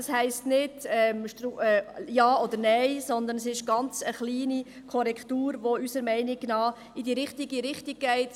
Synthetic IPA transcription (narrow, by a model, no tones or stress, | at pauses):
ɑshɛɪstnɪdɛmʃtɾuɛjɑːɔd̪əɾnɛɪsɔnd̪əns̬ɪʃɡ̥ɑnt͡səχliːni | kʰɔɾɛkʰtuːɾʋoysəɾmɛɪnɪɡnɑː | idiːɾɪχtiɡiɾɪχtɪɡ̥̚ɡ̥ɛɪt